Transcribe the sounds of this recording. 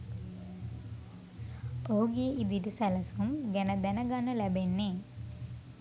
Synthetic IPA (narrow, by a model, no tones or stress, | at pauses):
oɦuɡeːʔid̪iʈisæləsumɡænəd̪ænəɡanːəlæbenːe